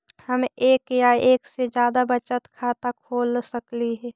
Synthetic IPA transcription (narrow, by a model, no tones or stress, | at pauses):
həmeːkjaeːksed͡ʒjaːd̪abət͡ʃət̪kʰaːt̪akʰoːlsəkliɦɛː